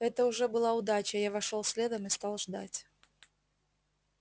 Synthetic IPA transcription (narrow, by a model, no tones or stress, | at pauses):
ɛt̪əʊʐɛbɨlˠaʊd̪at͡ɕəjavɐʂolˠsʲlʲed̪əmɨst̪alˠʐd̪a̰tʲ